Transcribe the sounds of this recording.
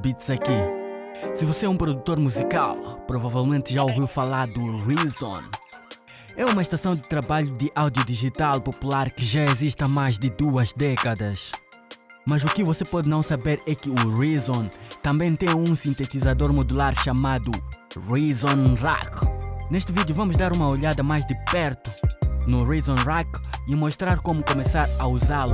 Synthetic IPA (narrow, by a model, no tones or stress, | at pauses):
bit̪zɐki | sɨvoseɛũpɾod̪ut̪oɾmuzika̰lˠpɾovavɛlˠmẽnt̪ʒaoviwfalaɾd̪uʁizõ̰n | ɛumɐʃt̪asɐ̃w̃d̪ɨt̪ɾabaʎud̪ɪʔawd̪iud̪iʒit̪alˠpopulaɾkɪʒaeziʃt̪ɐmajʒd̪ɪd̪uɐzd̪ɛkɐd̪ɐʃ | mɐzukɪvosepɔd̪nɐ̃w̃sabeɾɛkɪurizõnt̪ɐ̃mbẽj̃t̪ẽj̃ũsĩnt̪et̪izad̪oɾmod̪ulaɾʃamad̪urizõnra̰kneʃt̪ɪvid̪juvɐ̃muʒd̪aɾũmɐoʎad̪ɐmajʒd̪ɨpɛɾt̪unurizõnrakimoʃt̪ɾaɾkomukomesaɾɐuzalu